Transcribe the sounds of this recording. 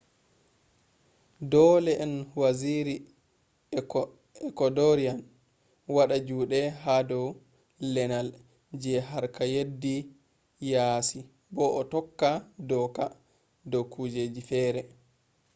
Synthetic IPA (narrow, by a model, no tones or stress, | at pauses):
dɔlɛʔɛnwaziɾi | ɛkɔdɔɾian | waɗad͡ʒuːɗɛɦadɔw | lɛnal | d͡ʒɛɦaɾkajedːi | jaːsi | bɔʔɔtɔkːadɔka | dɔkud͡ʒed͡ʒifɛːɾɛ